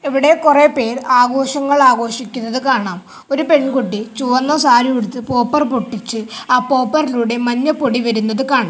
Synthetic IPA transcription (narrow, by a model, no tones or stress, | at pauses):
eʋiɽe̞kurepe̞ːraːɡo̞ːɕɐŋːɐɭaːɡo̞ːʂikʲːunːɐðɨkaːɳaːm | o̞ɾupe̞ɳkuʈːit͡ɕuːɐnːɐsaːɾieɽut̪ːɨpo̞ːpːɐrpoʈːit͡ɕːɨaːpo̞ːpːɐriluːɽe̞mɐɲːɐpo̞ɽiʋɐɾunːɐðɨkaːɳɐm